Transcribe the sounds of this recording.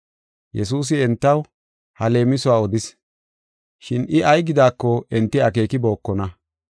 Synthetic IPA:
jɛs̬uːs̬ɪɛnt̪ːɐw | hɐle̞ːmɪsʊaːɔd̪ɪs | ʃɪnɪʔɐjɡɪd̪aːkːɔɛnt̪ːɪɐke̞ːkɪbo̞ːkːɔnɐ

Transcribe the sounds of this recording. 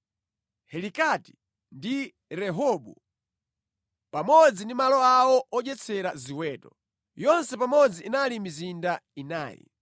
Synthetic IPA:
hɛlikati̥ | ndi | ɾɛɦɔɓṵ | pamɔd͡zindimalɔawɔʔɔʄɛt͡sʰɛɾaziwɛːtɔ | jɔnsɛpamɔd͡ziːnalimizindaina̰ːjḭ

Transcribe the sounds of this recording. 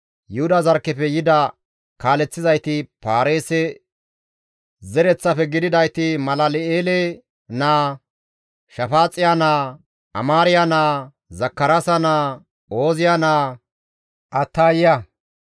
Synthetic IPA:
jʊhʊd̪ɐzɐɾkːɛfɛjɪd̪ɐ | kaːlɛt͡sːɪzɐjt̪ɪpaːɾeːsɛ | zɛɾɛt͡sːɐpɛɡɪd̪ɪd̪ɐjt̪ɪmɐlɐlɪeːlɛ | naː | ʃɐfaːt͡sʼːɪjanaː | ʔɐ̰maːɾɪjanaː | zɐkːɐɾasɐnaː | o̞ːzɪjanaː | ʔɐt̪ːaːjɪjɐ

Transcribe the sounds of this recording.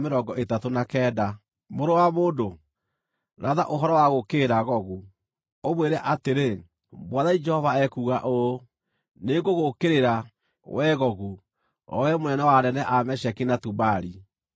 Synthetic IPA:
meɾɔɡɔʔetatonakɛːda | moɾowamoːdo | ɾaðaʔoɦɔɾɔwaɣokeɾaɣɔɣu | omweɾɛʔateɾe | bwaðaid͡ʒɛhɔvaɛkuɣaʔo | neɡoɣokeɾeɾa | wʔɛɣɔɣu | ɔ̰wɛmonɛnɛwanɛnɛʔamɛɕɛkinatubaɾi

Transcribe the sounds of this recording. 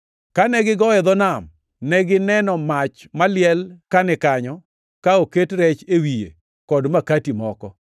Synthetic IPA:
kanɛɡɪɡɔɛd̪ɔnam | nɛɡɪnɛnɔmat͡ʃ | malɪɛlkanɛkaɲɔ | kaoketɾɛt͡ʃewijḛ | kɔdmakatimɔkɔ

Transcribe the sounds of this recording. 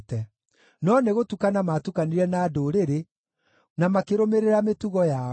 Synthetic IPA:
tɛ | nɔneɣotukanamatukaniɾɛnaːdoɾeɾe | namakeɾomeɾeɾametuɣɔja

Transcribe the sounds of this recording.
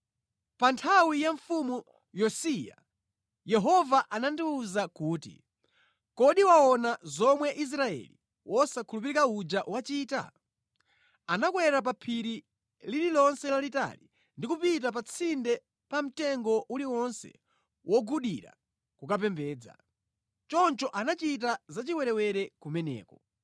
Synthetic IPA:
pantʰawijaɱfumu | jɔsija̰ | jɛɦɔvaʔanandiuzakuːtḭ | kɔɗiwaɔnazɔmwɛʔis̬ɾaɛ̰lḭ | wɔsakʰulupiɾikaud͡ʒaʔwat͡ʃiːta̰ | anakwɛɾap̬apʰiɾi | lililɔnsɛlalita̰li | ndikupit̬ap̬at͡sʰindɛ | pam̩tɛŋɡɔʔuliwɔnsɛ̰ | wʔɔɡuɗiɾa̰ | kukap̬ɛmbɛːd͡za̰ | t͡ʃɔnt͡ʃɔʔanat͡ʃit̬azat͡ʃiwɛɾɛwɛɾɛkumɛnɛ̰ːkɔ

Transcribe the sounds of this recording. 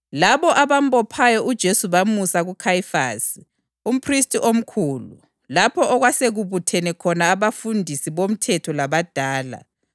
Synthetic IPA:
laβɔʔaβambɔpʰajɔʔud̥ʒ̥ʱesuβamusaɣukʰajfa̰si | um̩pʰristʰʼiʔom̩kʰuːlṵ | lapʰɔʔɔɣwaseɣuβutʰɛnɛkʰɔnaːβafundʱisiβom̩tʰɛtʰɔlaβad̥ʱaːla̰

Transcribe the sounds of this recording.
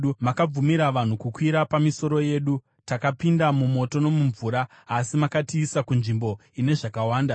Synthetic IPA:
umakab͡vumiɾaʋan̤ukukwiɾapamiso̞ɾo̞je̞ːɗu | takapindamumo̞to̞no̞muɱvuɾaː | simakatiːsakunʐimbo̞ine̞ʐakawaːnda

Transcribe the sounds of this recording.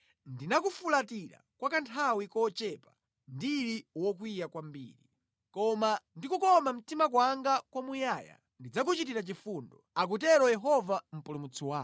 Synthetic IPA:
ndinakufulatiɾa̰kwakantʰawikɔt͡ʃɛpa | ndiɾiwɔk̬wijakwambḭːɾi | kɔmandikukɔmam̩timak̬waŋɡakwamujaːja̰ | ndid͡zak̬ut͡ʃit̬iɾat͡ʃifundɔ̰ak̬ut̬ɛɾɔjɛɦɔvam̩pulumut͡sʰiwaː

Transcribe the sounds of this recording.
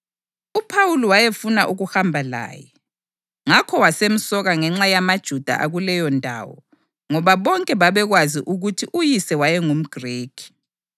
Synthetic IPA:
upʰawuluwajefunaʔuɣuhambʱala̰ːjɛ | ŋakʰɔwasem̩sɔɣaŋɛŋ͡ǁajamad̥ʒ̥ʱud̥ʱa̰ʔa̰ɣulɛjɔndʱa̰ːwɔ̰ | ŋɔβaβɔŋkʼɛβaβɛɣwaziʔuɣutʰiʔujisɛwajɛŋum̩ɡ̥ʱreːkʰi̥

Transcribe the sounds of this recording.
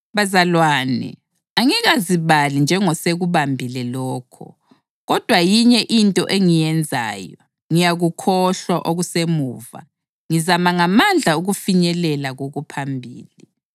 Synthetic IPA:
βazalwaːnḭ | aŋiɣaziβalind͡ʒʱɛŋɔseɣuβambʱilɛlɔːkʰɔ̰ | ɣɔd̥ʱwajiɲɛʔintʼɔ̰ʔeŋijɛnd͡zʱa̰ːjɔ | ŋijaɣukʰɔɬwaʔoɣusemuːva̰ | ŋizamaŋamand͡ɮʱauɣufiɲɛlɛlaɣoɣupʰambʱḭːli

